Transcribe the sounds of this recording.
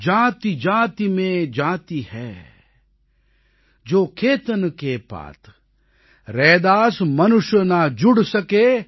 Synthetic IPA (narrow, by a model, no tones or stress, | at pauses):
d͡ʒaːt̪id͡ʒaːt̪imẽd͡ʒaːt̪ihɛː | d͡ʒoːkʰeːt̪ənkepa̰ːt̪ʰ | ɾɛːd̪aːsmɐnʊʃjnad͡ʒʊɽsɐkeː